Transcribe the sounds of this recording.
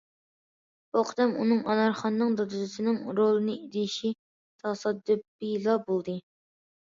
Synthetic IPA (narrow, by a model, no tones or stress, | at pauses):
oqʰd̪ɛmṵnɨŋʔɑnɑɾχɑnːɨŋd̪ɑd̪ɨzɨsɨnɨŋɾolˠɨnɨid̪ɪʃi | t̪ʰɑsɑd̪ːɨbilˠɑbolˠd̪ɨ